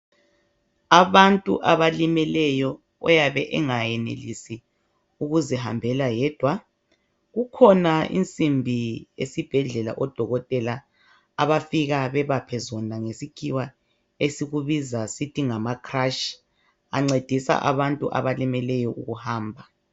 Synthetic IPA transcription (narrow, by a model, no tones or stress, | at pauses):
aβantʼṵʔaβalimɛlɛjɔ | ɔ̰jaβɛʔɛŋajɛnḛlḭsi | uɣuzɛha̰mbʱɛlajɛd̥ʱwa | ɣukʰɔnaḭnt͡sʼimbʱiḛsib̥ʱɛɮɛla̰ʔɔd̥ʱɔɣɔtʼɛla | aβafiɣaβɛβapʰɛzɔnaŋesikʰiwa | esiɣuβizasitʰiŋamakʰraʃ | a̰ŋ͡ǀed̥ʱisa̰ʔa̰βantʼṵʔa̰βalimɛlɛjɔʔṵɣuhaːmbʱa